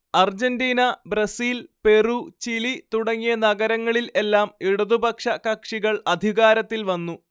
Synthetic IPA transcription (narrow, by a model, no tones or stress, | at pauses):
ɐrd͡ʑɐndiːnɐbɾɐsiːlpe̞rut͡ɕilit̪uɽɐŋːijɐnɐɣɐɾɐŋːɐɭile̞lːaːmiɽuðubɐkʂɐkɐkʂiɣɐɭɐd̪ʱiɣaːɾɐt̪ːilʋɐnːu